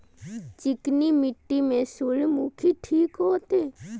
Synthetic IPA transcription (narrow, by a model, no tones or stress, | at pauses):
t͡ʃɪknimiʈːimẽsuɭmukʰiʈʰiːkɦoːt̪e